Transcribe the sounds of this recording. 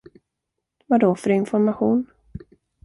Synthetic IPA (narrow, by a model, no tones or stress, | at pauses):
vad̪ɔfœɾɪnfɔɾmaɧuːn